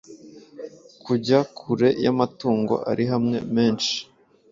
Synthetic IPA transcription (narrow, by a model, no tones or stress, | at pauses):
kʰuɟakʰuɾe̞jamatuːŋɡo̞̰ʔa̰ɾiɦamŋe̞̰meːnʃi̥